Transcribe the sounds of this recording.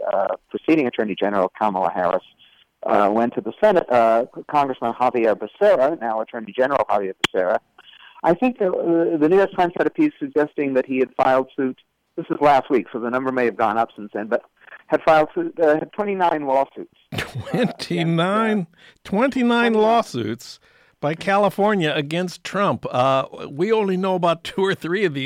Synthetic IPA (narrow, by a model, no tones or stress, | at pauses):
pʰɹ̥ɨsiɾɪ̃ŋɨtʰɜ˞nid͡ʒɛnə˞l̩ˠkʰɑml̩ˠə̰hɛ̰ɹɨ̰s | wɛ̃ntʰɨðəsɛnɨt̚kʰɑ̃ŋɡɹəsmə̃nhɑviəbɨsɛɹɨnaʊətʰɜ̃˞nid͡ʒɛnə˞l̩ˠhɑviəbɨsɛɹɨ | ʔaɪθɪ̃ŋk̚ðɨnʉɔtʰãɪ̃mz̥ɨɾɨpʰiz̥sɨɡ̚d͡ʒɛstɪ̃ŋðɨt̚hiɨd̥faɪlˠd̥sʉt̚ | ðɪsɨzlæst̚wiksoʊðənʌ̃mbə˞meɪɨvɡɔ̰̃nʌpsɪ̃nsɨ̃nb̥ʌt̚ | ɨd̥faɪlˠd̥sʉtɨd̚tʰw̥ɛ̃ɾ̃inãɪ̃nlɔsʉtstʰw̥ɛ̃ntʰinãɪ̃n | tʰw̥ɛ̃ntinãɪ̃nlɔsʉ̰ts | b̥aɪkʰælˠəfɔɹnjɨɨɡɛ̃nstʰɹ̥ʌ̃mp | wiõʊ̃nlinoʊəbaʊtʰuə˞θɹiʌvði